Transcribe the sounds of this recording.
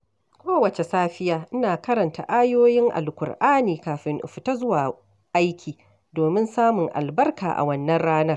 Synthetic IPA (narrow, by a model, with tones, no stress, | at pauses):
kʷoː˦wɐ˨t͡ʃe˨saː˦ɸɪ˦jaː˦ʔɪ˦naː˨kɐ˦ɾɐ˨nta̰˨ʔaː˦joː˦jɪ˦ŋʔa̰˨lkʷʊ̰˨rʔaː˦niː˨kaː˨ɸɪ˨ŋʔʊ̰˨ɸɪ˨ta˦zʊ˦waː˨ | ʔa˦jkʲiː˨ | doː˨mɪ˦nsaː˦mʊ˨ŋʔa̰˨lbɐ˦rka̰ː˨ʔa̰˨wɐ˦nːɐ˦nɽaː˦nɐ˦r